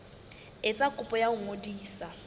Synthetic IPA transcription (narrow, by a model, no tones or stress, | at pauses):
et͡sʼakʼʊpʼɔjaʊŋodiːsa